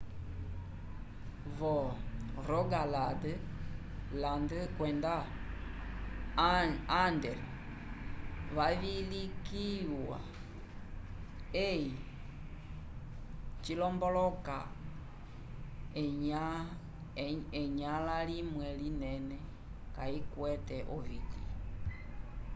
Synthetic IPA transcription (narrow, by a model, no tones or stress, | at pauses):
vɔɾɔɡaladə | landɨkwɛnda | ndɛɾ | βaβilikiwa̰ | ei | t͡ʃilɔmbɔlɔka | a | ɛɲalalimwɛlinɛnɛ | kaikwɛtɛʔɔviki